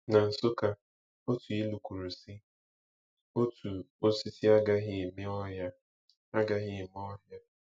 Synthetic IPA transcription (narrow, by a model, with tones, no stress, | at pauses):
na˨n̩˨so˦ka˦ | o˦tu˨i˦lu˨kʷu˨ɾu˨si˦ | o˦tʰu˨ | o˦si˦ti˦a˦ɡa˦ɦɪ˦˨me˦ɔ˦ɦja˦ | a˦ɡa˦ɣɪ˦˨m˦ɔ˦ɦja˦